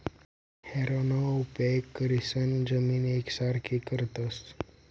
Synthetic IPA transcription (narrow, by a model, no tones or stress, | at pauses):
hɛɾonoupekːəɾisənd͡zəmiːneksaɾkʰikəɾt̪əs